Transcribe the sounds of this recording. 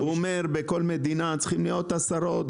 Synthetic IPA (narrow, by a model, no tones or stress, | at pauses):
uomeʁbeko̞lme̞d̪inat͡sχimlijo̞t̪asaɾo̞t̪